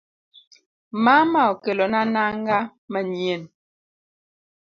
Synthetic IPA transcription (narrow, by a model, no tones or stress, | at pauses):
mamaɔkelɔnanaŋɡamɛɲjen